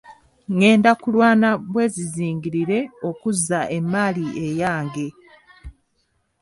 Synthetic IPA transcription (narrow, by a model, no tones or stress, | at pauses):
ŋe̞ːndakulwaːnaβwe̞ːziziːŋɡiɾiɾe̞o̞kuzːaʔe̞mːaliejaːŋɡe̞